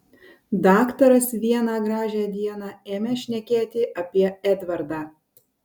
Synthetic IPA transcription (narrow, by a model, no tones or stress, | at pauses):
d̪ɑːkt̪oɾɐsʋʲiɛnɑːɡɾɑːʒʲæːd̪ʲiɛnɑːeːmʲɛʃʲnʲɛkʲeːt̪ʲɪʔɐpʲiɛɛd̪ʲʋɐɾd̪ɑː